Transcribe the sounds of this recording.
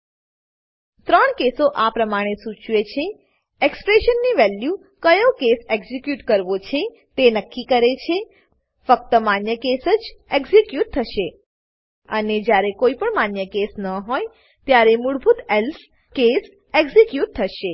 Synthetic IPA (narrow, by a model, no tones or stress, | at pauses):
t̪ɾəɳkesoʔapɾəmaɽ̃esũt͡ʃʋet͡ʃʰe | ekspɾeʃənːiʋɛlju | kəjõkeseɡzikjuʈkəɾʋot͡ʃʰe | t̪enəkːikəɾet͡ʃʰe | fək̚t̪əmanjəkesəd͡ʒeɡzikjuʈ̚t̪ʰəʃe | əned͡ʒjaɾekoipəɳmanjəkesnəɦoj | t̪jaɾemuɽbʱut̪ɛls | kes | eɡzikjuʈ̚t̪ʰːəʃe